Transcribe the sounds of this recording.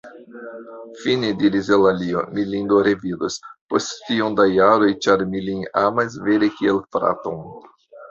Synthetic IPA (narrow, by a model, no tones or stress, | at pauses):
finediɾizelalio̰milind̪oɾevid̪osposttiond̪ajaɾojt͡ʃaɾmilinamas̬veɾekielfɾa̰t̪oŋ